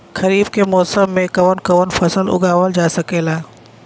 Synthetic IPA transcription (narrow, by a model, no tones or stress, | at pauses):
xɐɾiːb̚kʰemɔːsəmːẽkɐʋənkɐʋənfɐsəlʊ̰ɡʱaːʋəld͡ʑaːsɐkʰeːlaː